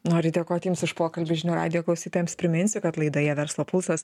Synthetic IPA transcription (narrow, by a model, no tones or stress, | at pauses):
noːɾʲɪd̪ʲeɛkoːɐt̪ʲjɪmsɪʃpoːkɐlʲbʲɪʒʲɪnʲuːɾɑ̰ːd̪ʲɪjoːklˠɐʊsʲiːt̪oːjɛmspʲɾʲɪmʲɪnʲsʲʊkɐt̪lˠɐɪd̪oːjɛʋʲɛɾslˠoːpʊlˠsɐs